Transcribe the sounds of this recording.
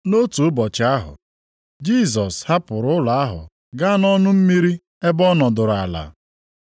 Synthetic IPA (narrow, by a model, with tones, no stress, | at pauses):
no˦tu˨ʊ˦bɔ˨t͡ʃɪ˨˦a˦ɦʊ̰˨ | d͡ʒi˦˨s̬ɔ˨sha˦pʊ˨ɾʊ˦ʊ˦la˨a˦ɦʊ̰˨ | ɡa˦nɔ˦nʊ˦m̩˦mi˦ɾi˦ | e˦bɔ˦nɔ˨dʊ˨ɾa˨la̰˨